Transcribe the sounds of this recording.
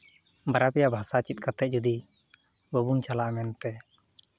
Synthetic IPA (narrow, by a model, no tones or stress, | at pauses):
baɾapɛjabʱasat͡ʃit̪̚kat̪ɛʔ̚d͡ʒud̪i | bɔbuŋt͡ʃalaʔmɛnt̪ɛ